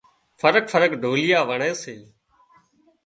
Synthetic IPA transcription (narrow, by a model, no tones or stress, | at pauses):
fəɾəkfʰəɾəkɖʱoːlɪjaːʋəɳeːseː